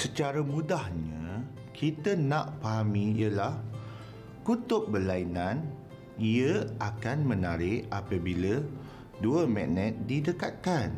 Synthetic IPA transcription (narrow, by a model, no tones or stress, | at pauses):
sət͡ʃaɾamũdahɲə | kʰit̪ənãʔpaɦamĩjəlah | kut̪ʊp̚bəlainãn | iəakanmənaɾɪʔapəbilə | duəmɛnɛt̪̚didəkat̪̚kan